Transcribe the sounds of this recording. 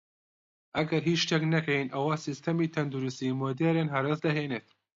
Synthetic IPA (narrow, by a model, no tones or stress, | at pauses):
ʔɐɡɐɾɦiːʃt̪ɛknɐkɛjinʔɐwaːsist̪ʰɐmiːt̪ʰɐnd̪uɾust̪iːmoːd̪eːɾeːnɦɐɾɐsd̪ɐɦeːneːt̪